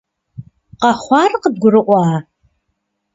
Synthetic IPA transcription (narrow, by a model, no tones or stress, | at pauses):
qɑχʷɑːrqəd̚ɡʷʊɾɨʔʷɑː